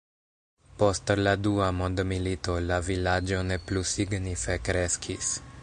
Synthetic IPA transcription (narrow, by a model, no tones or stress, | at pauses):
po̞stladuamond̪milito̞lavilad͡ʒo̞ne̞plusiɡnife̞kɾe̞skʰis